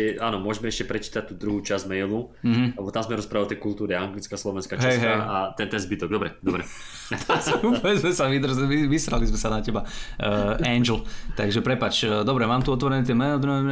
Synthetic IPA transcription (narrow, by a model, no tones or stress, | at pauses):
ɛaːnɔmʊɔʒmɛɛʃcɛpɾɛt͡ʃi̥ːt̪at̪uːd̪ɾuɦuːt͡ʃazmɛjluɦ̩lɛbɔt̪amzmɛɾɔspɾaːaɔt̪ɛjkulˠt̪uːɾiaŋɡlit͡skaslɔʋɛnskaːɦt͡ʃɛsjɦɛjaat̪ɛnt̪ɛnzbit̪ɔɡ̚d̪ɔbɾɛd̪ɔbɾɛ | t̪ʰasuɔʋɛd͡zmɛsaʋid̪r̩ziʋisɾa̰lizmɛsanacɛbaəʔɛnd͡ʒl̩t̪aɡʒɛpɾɛpat͡ʃːd̪ɔbɾɛmaːmt̪uɔt̪ʋɔɾɛnɛt̪̬ɛmɛld̪ɾumɛm